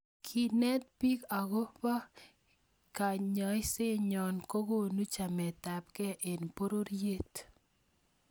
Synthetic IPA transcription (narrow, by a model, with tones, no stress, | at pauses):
kʰi˨nɛ˦t̪̚pi˦ka˨ɣo˦pa˦ | ka˨ɲɔ˨˦ɪ˦se˦ɲɔ˨nko˦ko˦nu˦t͡ʃa˨mɛ˨ta˨pkɛ˦ʔe˨n˨po˦ɾo˦ɾje˦t